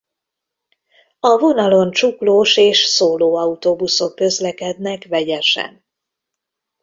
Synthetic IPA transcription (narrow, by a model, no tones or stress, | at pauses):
ɒvo̞nɒlo̞nt͡ʃukloːʃeːʃsoːloːɒut̪obuso̞kːø̞zlɛkɛd̪nɛkvɛɟɛʃɛ̰n